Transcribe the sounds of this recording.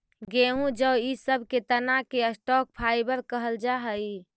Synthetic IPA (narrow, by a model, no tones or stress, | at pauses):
ɡeɦũd͡ʒəbisəbʱket̪ənakeəsʈɔk̚pʰaɪbəɾkəɦəld͡ʒaɦəj